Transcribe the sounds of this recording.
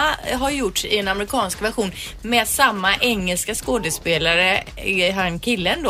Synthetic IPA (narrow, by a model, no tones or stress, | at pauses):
ɦaɾjʊʈʂɪɛnamɾɪkʰɑːnskvæɾɧuːn | mɛːd̪samːaʔɛŋːɛlskaskoːd̪əspeːlaɾə | ɦaɾɛnkʰɪlːənd̪oː